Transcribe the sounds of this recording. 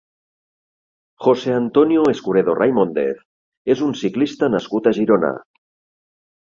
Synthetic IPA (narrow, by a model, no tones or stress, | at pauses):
xoseant̪onjoeskuɾeðorajmond̪ḛθ | ezunsiklist̪anaskut̪aʒiɾona̰